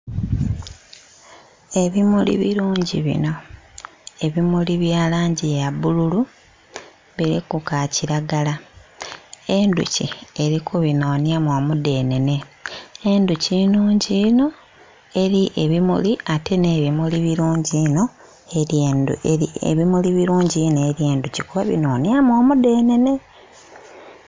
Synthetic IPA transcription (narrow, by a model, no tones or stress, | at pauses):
e̞βimulḭβḭɾuːɲɟiβḭno̞ | e̞βimuliβjaːlaːɲɟijaβululu | βiɾikukaciɾaɡala | endṵcḭeɾikʰuβino̞ːnjamoːmude̞ːnene̞enducinuːɲɟino̞ | e̞ɾiʔe̞βimṵliate̞ne̞βimuliβiɾuːɲɟino̞ | eɾeneiḛβimuliβiɾuːɲɟinoeɾje̞ːnducikuβaβḭno̞ːnjamo̞mude̞ːne̞ne̞